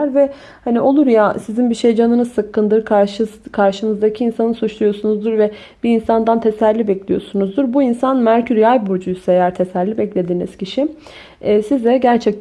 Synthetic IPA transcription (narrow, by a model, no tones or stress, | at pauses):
ɾvɛ | haniʔo̞lˠuɾjasizinbiʃe̞jd͡ʒanɯnɯzsɯkʰːɯnd̪ɯɾkʰaʃɯkʰaɾʃɯnɯzd̪acʰiinsanɯsut͡ʃlˠujo̞sunuzd̪uɾvɛ | b̥iːnsand̪ant̪ʰesæɾlʲibɛclʲijo̞̰sunuzd̪uɾbuinsanmæɾcʰyɾjajbuɾd͡ʒujysejæɾt̪ʰesæɾlʲibɛclʲe̞d̪iːniz̥cʰiʃiː | sizd̪ɛɟæɾt͡ʃʰɛc̚t̪